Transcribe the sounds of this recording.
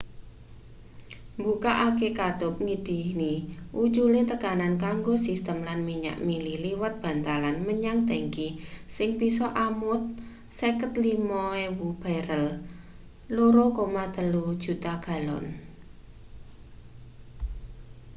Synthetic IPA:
mbukaʔakekad̪̥ʊp̚ŋid̥i̤hniʔu̥t͡ʃulet̪əkanankaŋɡosist̪əmlanmiɲa̰ʔmililiwat̪̚b̥a̤nt̪alanməɲaŋd̪eŋkisɪŋbisɔʔamʊt̪̚ | sekət̪limɔewub̥aɾəl | loɾokomad̪̥ə̤lu̥ʒ̥ṳt̪aɡ̥a̤lɔ̰n

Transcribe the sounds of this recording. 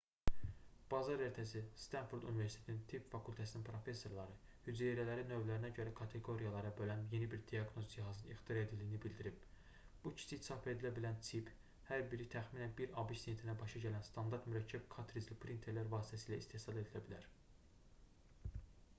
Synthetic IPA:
b̥ɑzɑɾeɾt̪ʰæsist̪ɑnfuɾd̪unive̞ɾsit̪ʰet̪ʰinint̪ʰipfɑkʰulʲˠt̪ʰæsininpʰɾo̞fe̞sːo̞ɾlˠɑɾɯ | hyd͡ʒ̪ieɾælæɾinø̞vlæɾinæɟø̞ɾækʰɑt̪ʰe̞ɡo̞ɾijɑlˠɑɾɑbø̞lænje̞nibiɾd̪ijɑɡno̞zd͡ʒiɦɑzɯnixt̪ʰijɑɾed̪ilːijinibild̪iɾib̥̚ | b̥ucʰi̥sit̪i̥sɑpe̞d̪ilæbilænt̪ʰip | hæɾbiɾit̪ʰæxminænbiɾɑbiʃt̪ent̪ʰinæbɑʃɑɟælænst̪ɑnd̪ɑɾt̪myɾæcʰːæbkʰɑt̪ʰɾizlipʰɾint̪ʰeɾlæɾvɑːsi̥t̪ʰæsiːlæist̪e̞hsɑlˠe̞d̪ilæbilæɾ

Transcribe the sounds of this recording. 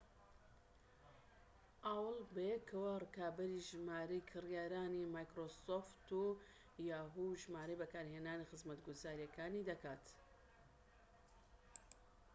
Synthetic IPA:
ʔaːwlbejekʰɐwarɨkaːbɐɾiʒmaːɾɐjkʰɨrjaːɾaːnimaːjkɾosoft̪u | jaːɦuʒmaːɾɐjbɐkaːɾhenaːnixɨzmɐt̪ɡuzaːɾijɐkʰaːnid̪ɐkaːt̪

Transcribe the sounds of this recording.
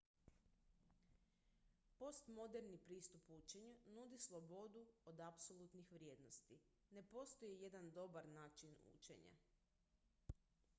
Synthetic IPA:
po̞st̪mo̞d̪e̞ɾnipɾiːst̪uput͡ʃe̞ɲunud̪islˠo̞bo̞d̪uod̪apsolˠut̪nixʋɾʲje̞ːd̪no̞st̪i | ne̞po̞st̪o̞jeje̞d̪and̪o̞baɾnaːt͡ʃinṵt͡ʃḛɲa̰

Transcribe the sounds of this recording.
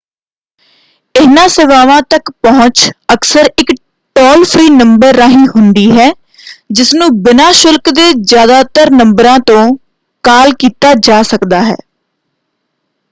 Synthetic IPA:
ɪɦnãːseːʋaːʋãːt̪əkpəɦʊt͡ʃəksəɾɪk | ʈɔːlpʰɾiːnəmbəɾːaːɦĩːɦʊnd̪iːɦɛː | d͡ʒɪsnũːbɪnaːʃʊlkd̪eːzjaːd̪aːt̪əɾnəmbəɾãːt̪õː | kaːlkiːt̪aːd͡ʒaːsəkd̪aːɦɛ̰ː

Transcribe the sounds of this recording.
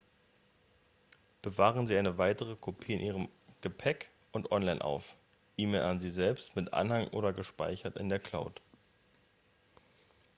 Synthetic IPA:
b̥əvaːʁ̞ənziːʔaɪnəvaɪtəʁ̞əkʰopʰiːɪnʔiːʁ̞əmɡ̥əpʰɛk | ʔʊntʔɔnlaɪnʔa̰ʊf | ʔiːmeːlʔanziːzɛlpstmɪtʔa̰nhaŋʔo̰ːɾɐɡəʃpa̰ɪçɐtɪ̰ndeːɐkʰl̥aʊt

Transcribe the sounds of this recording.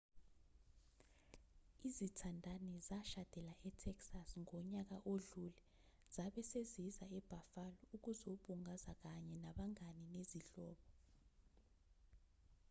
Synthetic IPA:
izitʰandʱanɛzaʃad̥ʱɛlaʔɛtʰɛksasŋɔɲak̬aʔoɮulɛ | z̥aɓɛsezizaɛb̥ʱafalɔuk̬uzoɓuŋazak̬aɲɛnaɓaŋanineziɬɔːɓɔ

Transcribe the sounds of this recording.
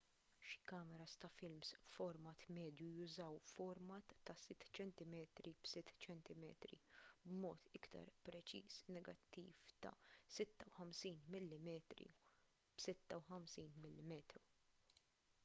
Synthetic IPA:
ʃi̥kɐːmɛɾɐst̪ɐfɪlmsfɔɾmɐt̪mɛːd̪jujʊzɐwfɔɾmɐt̪ːɐsɪt̪ːt͡ʃɛnt̪ɪmɛːt̪ɾib̥sɪt̪ːt͡ʃɛnt̪ɪmɛːt̪ɾḭbmɔːt̪ʰɪkt̪ɐ̰ɾpɾɛt͡ʃḭːsnɛɡɐt̪ːḭːft̪ɐ̰sɪt̪ːɐwħɐmsiːnmɪlːɪmɛːt̪ɾḭ | b̥sɪt̪ːɐwħɐmsiːnmɪlːɪmɛːt̪ɾu

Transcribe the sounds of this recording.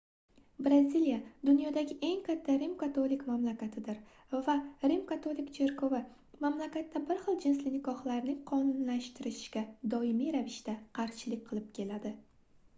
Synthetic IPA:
bɾazʲilijad̪ʊnjɒd̪aɡʲɪʔe̞ŋkʲʰat̪ʰːaɾimkat̪ʰolɪkmamlakʲat̪ʰɪd̪ɪɾ | vaɾimkat̪ʰolɪkt͡ʃʰe̞ɾkʰovɪ | mamlakʲat̪ʰːabɪɾχɨlˠd͡ʒɪnslɪnɪkɒχlaɾnɪŋqʰɒnʊnlaʃt̪ɪɾɪʃɪʃkʲad̪ɒɪmijɾavɪʃt̪aqʰɑɾʃɪlɪkʲqʰɨlˠɪp̚kʲʰe̞lad̪ɪ

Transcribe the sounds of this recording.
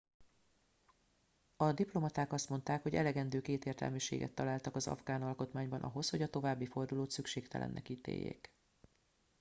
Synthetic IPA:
ɒd̪iplo̞mɒt̪aːkɒst̪mo̞nt̪aːkho̞ɟɛ̰lɛɡɛnd̪øːkeːt̪eːrt̪ɛ̰lmiʃḛːɡɛ̰t̪ːɒlaːlt̪ɒkɒzɒ̰vɡaːnɒlko̞t̪maːɲbɒnʔɒ̰ɦo̞sho̞ɟɒt̪o̞vaːbːifo̞rd̪uloːt̪sykʃeːkt̪ɛ̰lʔɛ̰nːʔɛ̰kiːt̪ḛːjːḛːk

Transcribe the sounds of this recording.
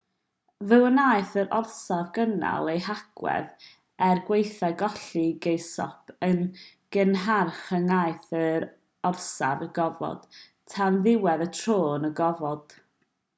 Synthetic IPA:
vɨwənaːjɨθəɾʔɔrsavɡəna̰lˠejhaɡ̥wɛ̰ð | ɛrɡwejθaɡɔɬiɡejsɔ̰pʰən | ɡ̥ənɦarχənaɨθəɾ | ɔrsa̰vəɡɔvɔ̰d̥ | tʰanðɪwɛðətʰroːnəɡɔvɔd̥

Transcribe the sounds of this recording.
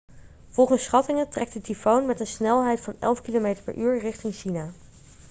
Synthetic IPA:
v̥ɔlˠχənsχɑtɪŋətrɛk̚tədifownmɛtənsnɛlˠɦɛjtfɑnɛ̰lˠfkilomejtəɹpɛ̰ɹʔyːɹrɪχtɪŋʃina

